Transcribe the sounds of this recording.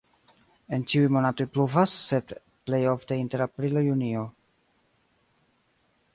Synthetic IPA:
e̞nt͡ʃiujmo̞natojpluvasːe̞d | ple̞jo̞fte̞inte̞ɾapɾilojunio

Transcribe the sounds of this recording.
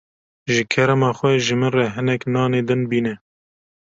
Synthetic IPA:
ʒɨkʰɛɾɛmɑːxwɛʒɨmɨnrɛɦɨnɛknɑːneːd̪ɨnbiːnɛ

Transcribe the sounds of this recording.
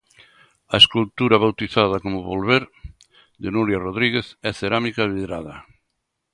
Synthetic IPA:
ɐeskult̪uɾaβawt̪iθað̞akomʊβolβeɾ | d̪enuɾjaroð̞ɾiɣeθɛθeɾamikaβiðɾaðɐ

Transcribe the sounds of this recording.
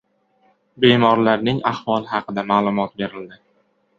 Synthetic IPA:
be̞mɒɾlaɾnɪŋahvɒlˠɪhɑqʰɨd̪amaːlˠʊmɒt̪̚be̞ɾɪld̪ɪ

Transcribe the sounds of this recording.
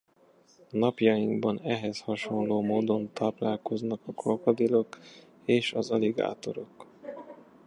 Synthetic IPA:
nɒpjɒjiŋɡbɒnɛɦɛshɒʃo̞nloːmoːd̪o̞nt̪ɒplaːlko̞znɒkɒkʰolkɒd̪ilo̞k | eːʃɒzɒliɡa̰ːt̪o̞̰ɾo̞k

